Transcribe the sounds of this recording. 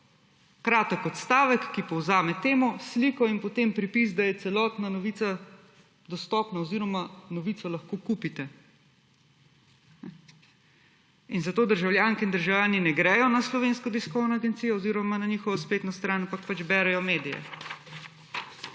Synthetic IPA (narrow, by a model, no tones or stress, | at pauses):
kɾaːt̪əkɔt̪st̪aːʋəkːipɔwzaːmɛt̪eːmɔslikɔinpɔt̪eːmpɾipisd̪ajɛt̪sɛlɔːt̪nanɔʋiːt̪sa | d̪ɔst̪ɔːpnaɔziːɾɔmanɔʋiːt̪sɔlɐxkokupit̪ɛ | ɛ | inzat̪oːd̪əɾʒawljaːŋkiind̪əɾʒawljaːninɛɡɾɛjɔnaslɔʋeːnskɔd̪iskɔwnɔaɡɛnt̪sijɔoziːɾɔmananixɔʋɔspeːt̪nɔst̪ɾaːnampak̚pat͡ʃbɛːɾɛjɔmeːd̪ijɛ̰